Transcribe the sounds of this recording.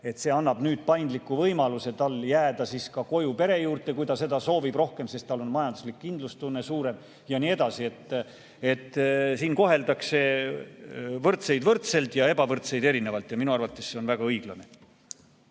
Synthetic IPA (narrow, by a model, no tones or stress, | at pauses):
e̞t̪se̞ːɑnːɑb̥nyːd̪̥̚pɑjnd̪likːuvɤjmɑluse̞t̪ɑlːjæːd̪̥ɑsiːskɑko̞jupe̞ɾe̞juːrt̪ˑe̞kujd̪ɑse̞d̪ɑso̞ːvib̥ro̞hke̞mse̞st̪t̪ɑlːo̞nmɑjɑnd̪uslikːind̪lust̪unːe̞suːɾe̞m | jɑniːe̞d̪̥ɑsie̞t̪ˑː | e̞t̪ːˑsiːnko̞ɦe̞ld̪ɑkse̞ | vɤrt̪se̞jd̪vɤrt̪se̞lt̪jɑe̞bɑvɤrt̪se̞jd̪e̞ɾine̞vɑlt̪jɑminuɑrvɑt̪ːˑe̞sːe̞o̞nvæɡ̥ɑɤjɡ̥lɑne̞